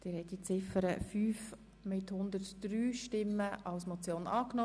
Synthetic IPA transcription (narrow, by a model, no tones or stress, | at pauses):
d̥ɪːɾhɛɪtdit͡sɪfəɾə̰fyːf | mɪthʊnd̪ətd̥ɾyːʃtɪmːəʔɑlsmot͡sjoːnɑːkno